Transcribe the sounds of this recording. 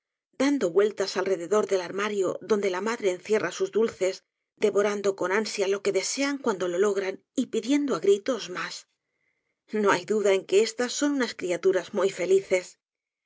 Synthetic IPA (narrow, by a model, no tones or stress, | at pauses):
d̪and̪o̞βwe̞lt̪asalre̞ðe̞ðo̞ɾðe̞laɾmaɾjo̞ðo̞nd̪e̞lamaðɾe̞ːnθje̞rʔasuzdulθe̞z | d̪e̞βo̞ɾand̪o̞ko̞nansjalo̞ke̞ðe̞se̞aŋkwand̪o̞lo̞lo̞ɣ̞ɾan | ipiðje̞nd̪oaɣɾit̪o̞zmas | no̞ajðuðae̞ŋke̞e̞st̪asːo̞nunaskɾiat̪uɾazmujfe̞liθe̞s